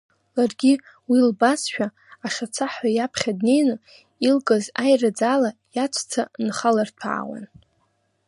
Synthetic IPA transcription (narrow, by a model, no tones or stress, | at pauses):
larɡʲi | wilbasʃᶣaː | ʂat͡sʰaħajapʰχʲadne̞jnɨ | ilkʼazajrad͡zalajat͡ʃʷʰʼt͡sʰanχalartʷʰa̰ːwa̰n